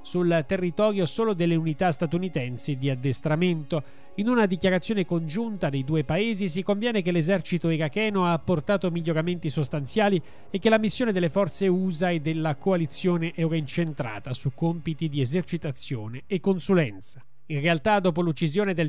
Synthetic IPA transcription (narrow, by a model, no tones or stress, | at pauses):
sult̪erːit̪ɔːɾjosoːlod̪elːeunit̪ast̪at̪unit̪ɛnsid̪iad̪ːest̪ɾament̪o | inunad̪ikjaɾat̪sːjoːnekond͡ʒunt̪ad̪ejd̪uːepaeːzis̬ikoɱvjɛːnekelezɛrt͡ʃit̪oiɾakɛːnoaːpːort̪aːt̪omiʎːoɾament̪isost̪ant̪sjaːli | ekːelamisːjoːned̪elːefɔrt̪seuːzaed̪ːelːakoalit̪sːjoːneʔɛwɾaint͡ʃent̪ɾa̰ːt̪asukːompit̪id̪iezert͡ʃit̪at̪sːjoːneːkːonsulɛnt̪sḁ | inrealt̪ad̪oːp̬olut͡ʃːizjoːned̪el